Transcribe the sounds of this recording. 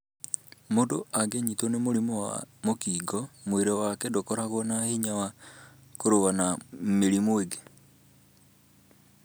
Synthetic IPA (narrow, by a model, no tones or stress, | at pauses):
modoaɡeɲitonemoɾimowa̰mokiːɡɔmweɾewakɛdokɔɾaɣonahiɲawa | koɾoɣanameɾimoeɡe